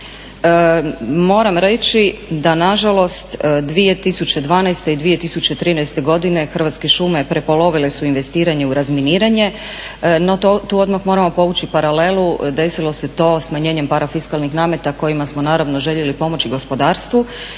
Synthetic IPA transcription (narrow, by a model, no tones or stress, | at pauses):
mo̞ːɾamɾe̞t͡ɕid̪anaʒalo̞st̪d̪ʋije̞t̪isut͡ɕe̞d̪ʋaːnɛjst̪eid̪ʋije̞t̪isut͡ɕe̞t̪ɾiːnɛjst̪e̞ɡo̞d̪ine̞xər̩ʋat̪ske̞ʃume̞pɾe̞po̞lo̞ʋile̞suinʋe̞st̪iːɾaɲe̞uɾazminiːɾaɲe̞ | no̞t̪uːo̞d̪maxmo̞ɾamo̞po̞ʋut͡ɕipaɾale̞lud̪e̞silˠo̞se̞t̪o̞ːsmaɲeːɲempaɾafiskalnixnaːme̞t̪ako̞jimasmo̞naːɾaʋno̞ʒe̞ʎe̞lipo̞mo̞t͡ɕiɡo̞spo̞d̪aːɾst̪ʋu